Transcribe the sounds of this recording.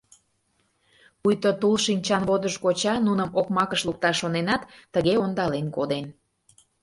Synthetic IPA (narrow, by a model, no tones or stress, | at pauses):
pujt̪ot̪ulʃinʲt͡ɕɑnβod̪əʃkot͡ɕɑnunəmokmɑkəʃluk̚t̪ɑʃːonenɑt̪ːəɣeond̪ɑlenkod̪en